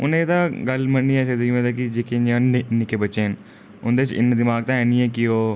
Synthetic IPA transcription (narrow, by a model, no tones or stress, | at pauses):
ʊ̰nẽt̪ãːɡəlmənːiɛːsed̪ũẽːt̪akid͡ʒeːked͡ʒãːnɪkeːbət͡ʃeːn | ʊnd̪eɪt͡ʃɪ̰nd̪ɪmaːɡ̚t̪ãːɛːniːɛ̃ːkɪoː